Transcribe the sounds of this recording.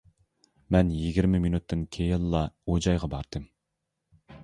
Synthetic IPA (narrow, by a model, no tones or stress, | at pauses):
mɛnjiɡʲiɾmɪminut̪ʰːɨnkʲʰejɪlˠːɑod͡ʒɑjʁɑbɑɾd̪̥ɨm